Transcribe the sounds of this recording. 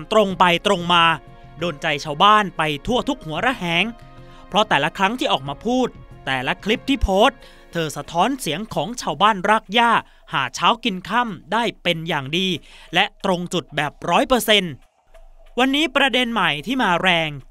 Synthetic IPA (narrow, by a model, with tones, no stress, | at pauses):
mt̪ɾo˧ŋpa˧jt̪ɾo˧ŋmaː˧ | doː˧nt͡ɕa˧jt͡ɕʰaː˧wbaː˥˩npa˧jt̪ʰu˥˩ɐt̪ʰu˦˥k̚hu˩˦ɐɾa˦˥hɛː˩˦ŋ | pʰɾɔ˦˥t̪ɛː˨˩la˦˥kʰɾa˦˥ŋt̪ʰiː˥˩ʔɔː˨˩k̚maː˧pʰuː˥˩t̪ːɛː˨˩la˦˥kʰli˦˥p̚t̪ʰiː˥˩pʰoː˦˥t̪̚ | t̪ʰɤː˧sa˧t̪ʰɔː˦˥nsi˩˦əŋkʰɔː˩˦ŋt͡ɕʰaː˧wbaː˥˩nɾaː˥˩k̚jaː˥˩ | haː˩˦t͡ɕʰaː˦˥wki˧nkʰa˥˩mdaː˥˩jpe˧njaː˨˩ŋdiː˧lɛ˦˥t̪ɾo˧ŋt͡ɕu˨˩t̪̚bɛː˨˩p̚ɾɔː˦˥jpɤː˧se˧n | wa˧nːiː˦˥pɾa˧de˧nma˨˩jt̪ʰiː˥˩maː˧ɾɛː˧ŋ